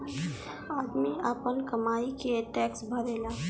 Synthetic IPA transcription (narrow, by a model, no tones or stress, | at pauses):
aːd̪miapənkəmaːikeʈɛːksbʱəɾeːlaː